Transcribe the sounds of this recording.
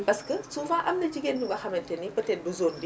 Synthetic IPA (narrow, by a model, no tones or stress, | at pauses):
bɐskəsufaːʔɐmnɐd͡ʒiɡenːuŋɡɐxɐmɛntɛnibɐtɛnbuzoːndi